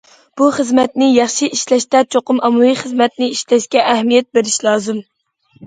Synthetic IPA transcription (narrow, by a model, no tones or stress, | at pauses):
b̥uχəzmɛt̪nɪjɑχʃiʔiʃlɛʃt̪ɛt͡ʃʰoqʊmɑmuwiχəzmɛt̪̚nɪiʃlɛʃkʲɛʔːhmijɛt̪̚beɾɪʃlˠɑːzɨm